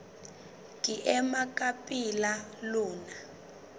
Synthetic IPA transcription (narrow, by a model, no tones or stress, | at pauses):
ŋiʔɛmakʼapʼilaluːna